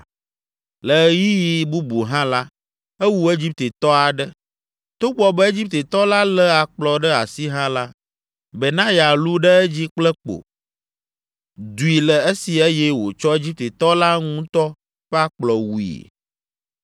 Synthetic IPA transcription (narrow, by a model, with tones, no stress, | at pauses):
lə˨ji˦ji˨bu˦bu˨ɦã˦la˦ | e˦wu˦e˦d͡ʑi˦p̚t̪e˨t̪ɔ˦a˨ɖɛ˦ | t̪o˦ɡ͡bɔ˦bɛ˦e˦d͡ʑi˦p̚t̪e˨t̪ɔ˦la˦lɛ˦a˨k͡plɔ˨ɖɛ˦a̰˨si˦ɦã˦la˦ | bɛ˨nã˦ja˨lu˦ɖɛ˦ɛ˦d͡ʑi˦k͡plɛ˦k͡po̰˨ | d̪u˨i˨lɛ˨e˦si˨e˦jɛ˦wo˨t͡ʃɔ˦e˦d͡ʑi˦p̚t̪e˨t̪ɔ˦la˦ŋũ˦t̪ɔ˦ | ɸɛ˦a˦k͡plɔ˨wu˨ḭ˨